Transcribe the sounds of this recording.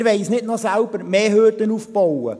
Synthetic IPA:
ɾʋɛɪsnɪtnɔsælbəɾmeːhøːdənuːfbɔwə̰

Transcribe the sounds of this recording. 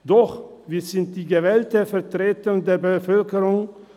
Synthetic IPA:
d̥ɔχviːzɪnt̚d̥iːɡəvɛːltəfɛɐtʁ̥eːtəndeːɐbəfœlkəʁʊŋ

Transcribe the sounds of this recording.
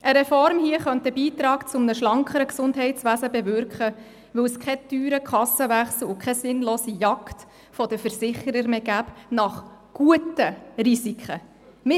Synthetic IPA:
ʔəɾɛfɔɾmhiəχœntəbiːt̪ɾɑːkt͡sʊmnəʃlɑŋkχəɾəksʊndɦɛɪtsʋæːsəbɛvʏɾkχə | ʋɵwskχɛtyːɾəkʰχɑsəʋæχsl̩ʊkʰɛsɪnloːsijɑkt | fɔdəfəɾsɪχəɾəɾmeɡæːpnɑχɡ̥uətərisikʰə | mɪ

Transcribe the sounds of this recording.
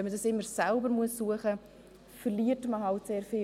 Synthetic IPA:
ɛnmədɑsɪmːəɾsɛlbəɾmuəsːuəχə | fərliətməhɑltseːɾfɪ

